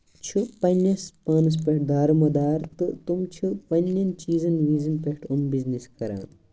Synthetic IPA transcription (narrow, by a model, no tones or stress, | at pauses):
t͡ʃʰupɐnjɐspaːnɐs̬pɐʈ̚d̪aːɾɐmɐd̪aːɾt̪ɨt̪umt͡ʃʰupɐnjɐnt͡ʃiːzɐnʋiːzɐnpeʈʰumbizniskɐɾã̰ːn